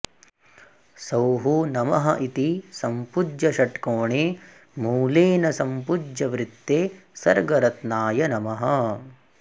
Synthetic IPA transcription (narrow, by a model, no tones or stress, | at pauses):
sɐwɦunɐmɐɦɐ̰ʔit̪isɐmpud͡ʒjɐʃɐʈkoːɳeː | muːleːnɐsɐmpud͡ʒjɐʋɾit̪ːeːsɐɾɡɐɾɐt̪naːjɐnɐmɐɦɐ